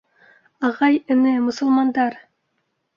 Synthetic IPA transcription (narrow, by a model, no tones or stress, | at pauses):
ɑʁɑjɘ̆nɘmʊ̆sə̆lˠmɑnd̪ɑɾ